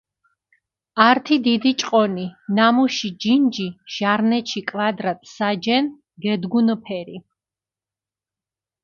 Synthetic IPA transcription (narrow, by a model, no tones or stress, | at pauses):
aɾt̪ʰid̪id̪it͡ʃʼqʼɔninamuʃid͡ʒind͡ʒiʒ̥aɾnɛʃʰikʼvad̪ɾat̪ʼsad͡ʒɛn | ɡɛd̪ɡunɔpʰɛɾi